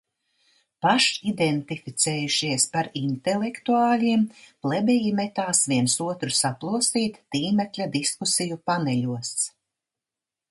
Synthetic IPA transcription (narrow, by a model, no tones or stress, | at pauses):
paʃid̪ɛnt̪ifit̪sɛːjuʃiɛspaɾint̪elʲekt̪uaːlʲiɛmplˠɛbʲɛjimɛt̪aːsviɛnsuɔt̪ɾusaplˠusiːt̪ːiːmɛklʲad̪iskusijupanɛlʲuɔs